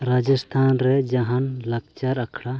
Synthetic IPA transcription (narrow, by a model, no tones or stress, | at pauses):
ɾad͡ʒəst̪ʰanɾɛd͡ʒaɦanlak̚t͡ʃaɾakʰɽa